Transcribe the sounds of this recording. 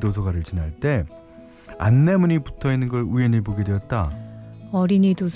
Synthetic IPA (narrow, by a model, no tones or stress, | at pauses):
dosʰʌɡaɾɯɭt͡ɕinaɭt͈e̞ | a̰nːe̞muɲipu̥tʰʌinːɯnɡʌɭueɲiboɡedweʌt̚t͈a | ʌɾiɲidosʰ